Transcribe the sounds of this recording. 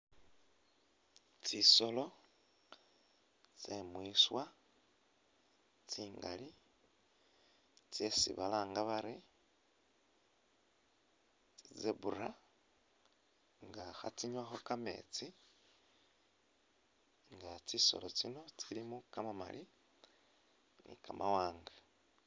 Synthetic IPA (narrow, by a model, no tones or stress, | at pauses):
t͡siso̞lo̞ | t͡semwiswa | t͡siːŋɡa̰li | t͡sjesḭβalaːŋɡaβaɾe | t͡sizeβuɾa | ŋɡaxa̰t͡siɲwaxo̞kame̞̰t͡si | ŋɡat͡siso̞̰lot͡sino̞t͡silimukamama̰lʔi | nḭkamʔawaːŋɡa